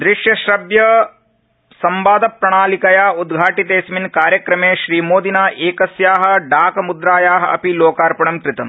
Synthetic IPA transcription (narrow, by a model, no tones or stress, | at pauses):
d̪ɾɪʃjɐʃɾɐbjɐ | sɐmbaːd̪ɐpɾɐɳaːlikɐjaːud̪ɡʱaːʈit̪eːsminkaːɾjɐkɾɐmeːʃɾiːmoːd̪inaːʔeːkɐsjaːɦɐ̆ɖaːkɐmud̪ɾaːjaːɦɐɐ̰piloːkaːɾpɐɳɐmkɾɪt̪ɐm